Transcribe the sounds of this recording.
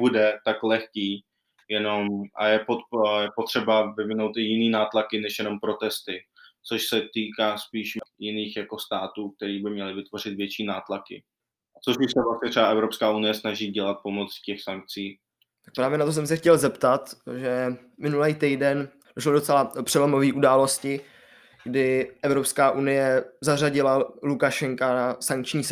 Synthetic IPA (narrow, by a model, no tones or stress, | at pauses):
budɛt̪aklɛxkiː | jɛno̞mʔa̰jɛpojɛpo̞t̪r̝̥ɛbavɪvɪnowt̪ʔɪjɪniːnaːt̪lakɪnɛʃjɛno̞mpɾo̞t̪ɛst̪ɪ | t͡soʃsɛt̪iːkaːspiːʃjɪniːxjako̞st̪aːt̪uːk̚t̪ɛɾiːbɪmɲɛlɪvɪt̪vo̞r̝ɪt̪vjɛt͡ʃiːnaːt̪lakɪ̰ | ʔat͡soʃbɪʃsɛvlastɲɛt̪r̥ɛbaʔɛvɾo̞pskaːʔunɪjɛsnaʒiːɟɛlat̪̚po̞mo̞t͡scɛxsaŋk̚t͡siː | t̪ḁk̚pɾaːvjɛnat̪o̞s̬ɛms̬ɛxcɛlzɛpt̪at̪ʒɛ | mɪnulɛjt̪ɛjdɛn | doʃlodo̞t͡sɛlapr̥ɛlomoviːʔudaːlo̞scɪ | ɡdɪʔɛvɾo̞pskaːʔunɪjɛzaraɟɪlalukaʃɛŋkanasaŋk̚t͡ʃɲiː